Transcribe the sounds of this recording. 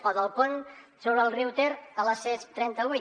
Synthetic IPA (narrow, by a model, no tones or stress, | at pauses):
ɔðəlˠpon | soβɾəlˠriwt̪eɾələsɛst̪ɾɛnt̪əu